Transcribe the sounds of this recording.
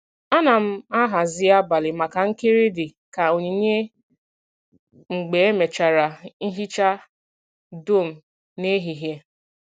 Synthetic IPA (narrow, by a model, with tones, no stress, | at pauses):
a˦na˨m̩˦a˦ɦa˨zɪ˦a˦ba˨lɪ˨ma˨ka˨ŋ̩˦ke˦ɾi˦dɪ˨ | ka˨o˨ɲe˨˦ɲe˦ | ŋ͡m̩˨ɡ͡be˨e˦me˨t͡ʃa˨ɾa˨n̩˦ɦi˦t͡ʃa˦ | do˦˨m̩˨ | ne˦ɦi˨ɦje˦